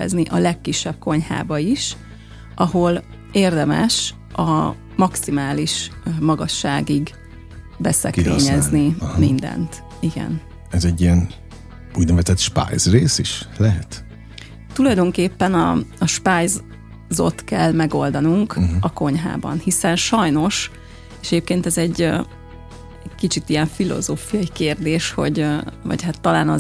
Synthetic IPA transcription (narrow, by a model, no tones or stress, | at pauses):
pɛ̰zniʔɒlɛkːiʃːɛb̚ko̞ɲha̰ːbɒiʃ | ʔɒɦo̞l | eːrd̪ɛmɛ̰ʃ | ɒ | mɒksimaːliʃmɒɡɒʃːaːɡiɡ | bɛsɛ̰kḛːɲɛznimind̪ɛ̰nt̪ | iɡɛ̰n | ɛzɛɟːijɛn | uːɟnɛvɛzɛt̪ʃpa̰jzreːsiʃlɛɦɛt̪ | t̪ulɒjd̪o̞ŋkeːpːɛnɒ̰ɒʃpaːjz | zo̞̰t̪kɛlːmɛɡo̞ld̪ɒnuŋkɒko̞ɲɦa̰ːbɒ̰nhisɛnʃɒjno̞ʃ | eːʃɛɟeːp̚keːnt̪ɛzɛɟː | kit͡ʃit̪ijɛɱfilo̞̰zoːfijɒikeːrd̪eːʃho̞̰ɟvɒ̰chat̪ːɒlaːnɒ